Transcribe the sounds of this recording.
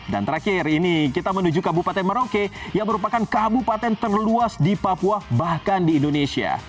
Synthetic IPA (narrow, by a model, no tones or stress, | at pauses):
da̰nt̪əɾakɪrinikit̪amənud͡ʒukabupat̪ɛnmaɾokejaŋməɾupakankabupat̪ɛnt̪ərluasdipapuabahkandiːndonesia̰